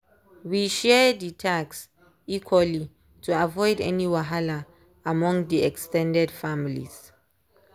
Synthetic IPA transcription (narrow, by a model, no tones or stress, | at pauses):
wiʃɛditʰaks | ikʰwali | tʰuavɔjdɛ̰niwaɦala | amɔ̃ŋdiɛkstɛ̃ndɛdfamilḭz̥